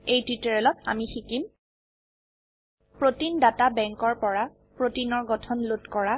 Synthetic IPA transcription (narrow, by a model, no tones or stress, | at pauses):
ejtɹitɔɹɛlɔta̰mixikim | pɹotindatabɛŋkɔɹpɔɹa | pɹotinɔɹɡɔtʰɔnlotkɔɹa